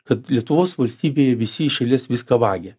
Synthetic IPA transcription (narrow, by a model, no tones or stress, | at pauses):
kɐt̪lʲiɛt̪ʊʋoːsʋɐlʲsʲt̪ʲiːbʲeːjɛʋʲɪsʲɪɪʃɐlʲɛsʋʲɪskɐʋɑːɡʲeː